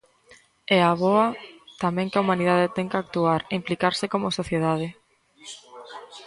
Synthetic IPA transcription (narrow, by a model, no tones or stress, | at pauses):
ɛaβoat̪amɛ̃ŋkaumãnið̞aðet̪ɛŋkak̚t̪uaɾeimplikaɾsɪkomʊsoθjeð̞að̞ɪ